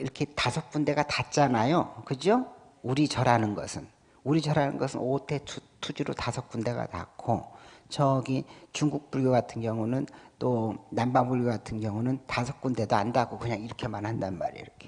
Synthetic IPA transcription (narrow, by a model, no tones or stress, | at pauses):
iɾʌkʰe̞tasʰʌk̚p͈unde̞ɡatat͡ɕ͈anajokɯd͡ʑio | uɾit͡ɕʌɾanɯnɡʌ̰sʰɯn | uɾit͡ɕʌɾanɯnɡʌsʰɯnotʰe̞tʰutʰud͡ʑiɾotasʰʌk̚p͈unde̞ɡa̰ta̰kʰot͡ɕʌɡit͡ɕuŋɡuk̚p͈uɭɡoɡatʰɯnɡjʌŋunɯnt͈onambaŋbuɭɡoɡatʰɯnɡjʌŋunɯntasʰʌk̚p͈unde̞doandaɡokɯɲaŋiɾʌkʰe̞manɦandannma̰ɾḭɾʌkʰe̥